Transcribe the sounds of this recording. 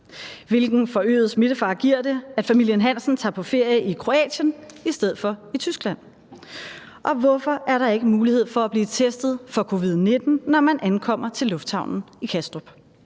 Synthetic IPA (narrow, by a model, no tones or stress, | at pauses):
ʋe̝lɡ̥n̩fɒ̽ø̰ːð̩ˠsme̝ɾ̥əfɑ̈ːɡ̥iɐ̰d̥e̝æd̥fæmil̰jənɦæn̰sn̩t͡sʰɑ̈ːpʰɒ̽fe̝ɐ̰jəikʰʁo̝ɛ̰ːɕənisd̥eð̞̰̩ˠfɒ̽it͡sʰysɡ̥læn̰ | ʔɒ̽ʋɒfɒ̽ʔæɐɾɑ̈e̝ɡ̥əmuːlihe̝ð̞̰ˠfɒ̽æb̥liːt͡sʰesd̥ð̩ˠfɒ̽kʰo̝ʋið̞̰ˠne̝d̥n̩ːɒmænʔænkʰɒ̽m̰ɐt͡sʰe̝lːɔ̽fd̥hɑ̈ʊnn̩ | ikʰæsd̥ʁob̥